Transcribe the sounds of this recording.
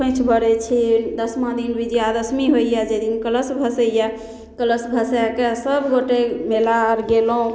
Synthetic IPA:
pʰə̃t͡ʃʰbəɾɛt͡ʃʰid̪əsmãd̪inbʱid͡ʒijad̪əsmiɦoijad͡ʒed̪inkələsbʱəsəja | kələsbʱəsjakesəbʱɡoʈemelaɾɡeloõ

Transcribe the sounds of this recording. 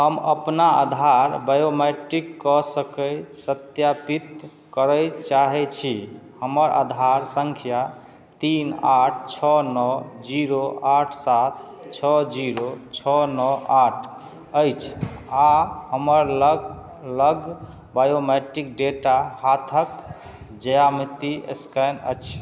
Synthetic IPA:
ɦəməpnaə̰d̪ʱaɾbajomeʈikːɔsəkəjsət̪japit̪ | kəɾəjt͡ʃaɦɛt͡ʃʰihəməɾʔa̰d̪ʱaɾsəŋkʰija | t̪inaʈʰt͡ʃʰɔnɔd͡ʒiɾoaʈʰsat̪ʰ | t͡ʃʰɔd͡ʒiɾot͡ʃʰɔnɔaʈʰ | əjt͡ʃʰahəməɾl | ləɡ | bajomeʈik̚ɖeʈahat̪ʰək | d͡ʒəjamit̪iḛskanə̰t͡ʃʰ

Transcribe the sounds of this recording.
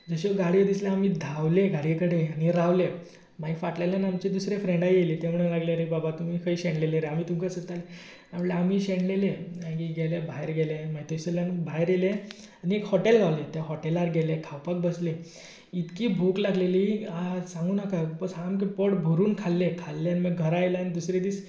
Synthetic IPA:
d͡zəɕeɡaɽid̪isleamid̪ʱawleɡaɽikəɽeañiɾaʋle | maifaʈlaljanamt͡ɕed̪usɾefɾẽɳɖajjelit̪em̤əɽunlaɡleɾebabat̪um̤iːkʰəiɕeɳleleɾeamiːt̪umkəsət̪ale | amɭleam̤iɕẽɳɖleleãɡiɡɛlebʱajɾɡɛlemait̪oseljanbʱajɾjele | aniekhɔʈelɡʱaʋlet̪aɦɔʈelaɾɡʱɛlekʰawpak̚bəsle | it̪kiːbʱuklaɡleliasãŋɡuːnakapəamkepɔɽbʱuɾuːnkʰalːekʰalːeaniməɡʱəɾajlaanid̪usɾed̪iːs

